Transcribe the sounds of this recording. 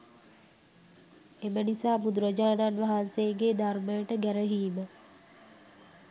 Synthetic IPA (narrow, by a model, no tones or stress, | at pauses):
emənisaːbud̪ɾəd͡ʒaːnanʋaɦansejɡed̪arməjəʈəɡæɾəɦiːmə